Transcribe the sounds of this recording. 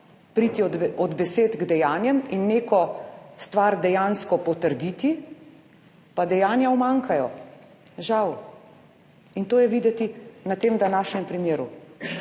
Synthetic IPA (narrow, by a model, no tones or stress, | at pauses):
pɾiːt̪iɔd̪bɛseːt̪ɡd̪ɛjaːnjɛminːeːkɔst̪ʋaɾd̪ɛjanskɔpɔt̪əɾd̪iːt̪i | pad̪ɛjaːnjawmaŋkajɔ | ʒaw | int̪oːjɛʋiːd̪ɛt̪inat̪eːmd̪anaːʃɲʲɛmpɾimjeːɾu